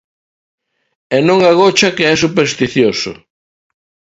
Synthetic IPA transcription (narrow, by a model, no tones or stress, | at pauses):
ɛnõŋaɣot͡ʃɐkeɛsupeɾst̪iθjosʊ̰